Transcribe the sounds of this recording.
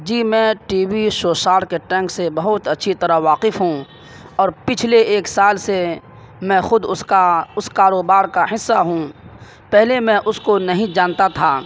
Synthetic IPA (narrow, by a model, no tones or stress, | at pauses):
d͡ʒiːmɛ̃ːʈiːwiʃoːʃaːɾkeʈɛ̃ːŋksebɐɦʊt̪ɐtːʃʰit̪ɐɾaɦʋaːqɪfɦũ | ɔːɾpɪt͡ʃʰleeːksaːlse | mɛ̃xʊd̪ʊskaʊskaːɾoːbaːɾkaɦɪsːaɦũ | pɛɦlemɛ̃ʔʊskonɐɦĩd͡ʒaːnt̪at̪ʰaː